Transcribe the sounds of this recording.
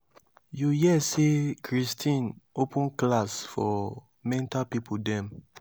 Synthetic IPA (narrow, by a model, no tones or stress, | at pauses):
jujɛsekʰɹistʰĩnopʰũnklasfɔ | mɛ̃ntapipʰudɛ̃m